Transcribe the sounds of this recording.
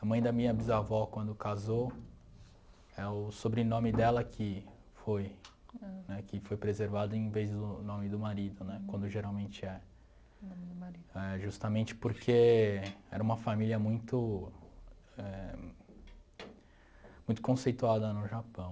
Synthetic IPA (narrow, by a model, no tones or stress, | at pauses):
ɐmɐ̃j̃d̪ɐmĩɲɐbizavɔkwɐ̃nd̪ʊkazow | ɛʊsobɾɪnõmɪd̪ɛlɐkʰɪ | foj | nɛkɪfojpɾezeɾvad̪ɐẽj̃vejzd̪ʊnõmɪd̪ʊmaɾid̪ʊnɛkwɐ̃nd̪ʊʒeɾawmẽnt͡ʃɪɛ | ɛʒust̪ɐmẽnt͡ʃɪ̥poɾkʰe | ɛ̰ɾɐũmɐfamiliɐmũj̃t̪ʊ | ɛ | mũj̃t̪ʊkõsejt̪uad̪ɐnʊʒapɐ̃w̃